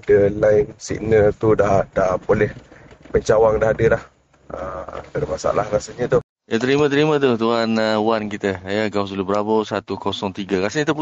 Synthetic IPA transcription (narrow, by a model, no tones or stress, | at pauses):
dəlaɪnsḭk̚nəlt̪udadahpolɛhpəɲt͡ʃawaŋdaɦadəlah | ə̰mdaɾəmasa̰lahɾasəɲə̃t̪u | jat̪əɾimãt̪̬əɾimat̪̬ut̪uɦanəuankit̪əjəɡaws̬ulubəɾabosat̪ukosɔŋt̪iɡakasəɲit̪əp